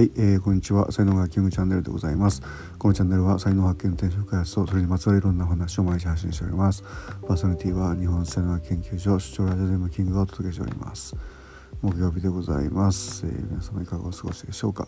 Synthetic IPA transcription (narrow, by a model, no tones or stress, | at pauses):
haieːkõ̞ɲ̟ːit͡ɕiβa̰sainoːɡakʲĩŋɡɯ̟t͡ɕãnːe̞ɾɯd̪e̞ɡo̞̰zaimasɨ̥ | ko̞no̞t͡ɕãnːe̞ɾɯ̟βasainoːhakːenot̪ẽɕ̬okkajhat͡sɨ̥t̪o̞so̞ɾe̞ɲ̟imat͡sɨβaɾɯiɾõ̞nːaoɦanaɕio̞majiɕ̬ihaɕ̬ːĩɕteo̞̰ɾʲḭmasɨ̥paːsonaɾit̪ʲiːβaɲ̟iɦõnst͡ɕaneɡakẽ̞ŋkʲɯ̟ːɕo̞ːɕɨ̥t͡ɕo̞ːɾaʑod̪emakʲĩŋɡɯ̟ɡaot̪od̪̥o̞ke̞ɕ̬t̪ḛɾʲḭma̰sɨ̥ | mo̞kɯ̟jo̞ːbʲid̪e̞ɡo̞za̰ḭmasɨ̥ḛmʲinasamːoikaɡa̰osɨɡo̞ɕid̪e̞ɕo̞̰ːka̰